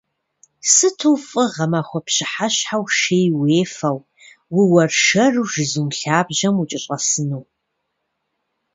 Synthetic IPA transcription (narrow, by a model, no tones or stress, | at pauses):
sɨtʰɨwfʼɨʁɐmaχʷɔpɕɪħaɕħawʃejweːfɐw | wʊwɐrʃɐrʒɪzumɬaːbʒɐmut͡ʃʼɪɕʼɐsɨnuw